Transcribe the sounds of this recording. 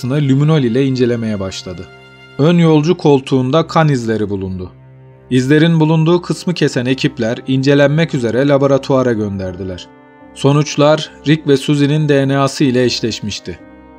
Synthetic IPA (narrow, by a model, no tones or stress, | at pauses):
ɯnɯlʲymino̞lʲilʲɛind͡ʒe̞lʲe̞me̞jɛbaʃlˠad̪ɯ | ønjo̞lˠd͡ʒukʰo̞lˠt̪ʰuːnd̪akʰanizlʲe̞ɾibulˠund̪ʊ | izlʲe̞ɾinbulˠund̪uːkʰɯsmɯcʰe̞sæne̞cʰiplʲæɾind͡ʒe̞lʲænmɛcyze̞ɾɛlʲabo̞ɾat̪ʰuaɾaɟø̞nd̪æɾd̪ilʲæɾ̝̥ | so̞nut͡ʃlˠaɾːicvɛsuzinind̪ejnaːsɯilʲɛiʃlʲɛʃmiʃt̪ʰɪ